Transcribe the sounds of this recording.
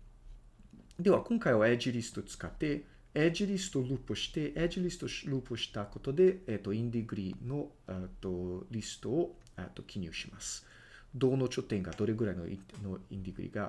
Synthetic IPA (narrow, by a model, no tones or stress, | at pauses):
d̪e̞βakõŋkaio̞ed͡ʒiɾʲisɨ̥t̪o̞t͡sɨ̥kat̪ːe̞ | ed͡ʒiɾʲisɨ̥t̪oɾɯːpoɕi̥t̪e̞ʔed͡ʒiɾʲisɨ̥t̪o̞ɾɯːpoɕi̥t̪ako̞t̪o̞d̪e̞et̪ːo̞ĩnd̪eɡɯ̟ɾʲino̞ | et̪ːoɾʲisɨ̥t̪o̞ː | ḛt̪ːo̞kʲiɲʲɨ̰ːɕimasɨ̥ | d̪o̞ːno̞t͡ɕo̞t̪ːẽŋɡad̪o̞ɾeɡɯ̟ɾaino̰noḭ̃nd̪eɡɯ̟ɾʲḭɡa